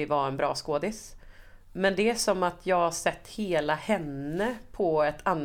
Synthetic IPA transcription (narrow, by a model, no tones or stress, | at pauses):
ɪvaɾɛnbɾɑ̰ːskoːd̪ɪs | mɛnd̪ɛæʂɔmːat̪ʰjɑːɡhaʂɛt̪ːheːlahɛnːəpʰɔɛt̪ʰanː